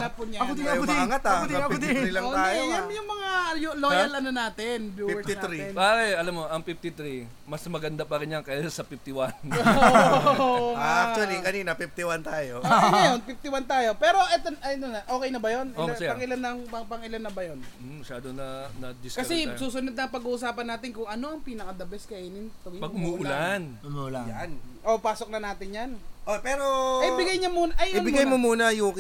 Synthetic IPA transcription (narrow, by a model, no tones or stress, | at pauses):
lapʊɲad̪ŋɐt̪ad̪d̪ilɐoaːjojamjʊŋmɐŋajʊloːjɐlʔɐnonaːt̪ɪnbjuːɛinɾiaɛɐlamːoʔɐŋpif̚t̪ɪt̪ɾi | mɐsmɐɡɐnd̪apɐkɪnjɐŋkɐɐsɐpift̪ɪwanooaʔakt͡ʃuɐlikɐniːnɐpift̪ɪwant̪aːjookɐnɐjonpif̚t̪ɪwant̪aːjo̞pɛːɾo̞ʔɛt̪onɐjnonɐʔo̞ːkɛjnɐbɐjonoɐssɐŋʔɪlanːɐŋpɐpɐŋʔɪlanːɐbɐjonː | ɐʃaːd̪onɐnɐd̪ɪskɐsɛsuːsʊnod̪̚nɐŋpɐɡuːʔʊsaːpɐnːaːt̪ɪnkʊŋʔɐno̞ʔɐŋpiːnɐkɐd̪ɐbɛskɐʔiːnɪnt̪ɐwɪpɐɡɡmuʔʊlan | mulajanʔopaːsok̚nɐnaːt̪ɪnjanʔopɛːɾoɐjbɪɡajɲɐmuːnɐʔɐjoɪnbɪɡajmomuːnɐjuk